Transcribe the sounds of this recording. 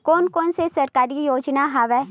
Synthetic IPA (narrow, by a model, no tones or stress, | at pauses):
koːnkoːnsesɐɾkaːɾijoːd͡ʒnaɦaʋɛ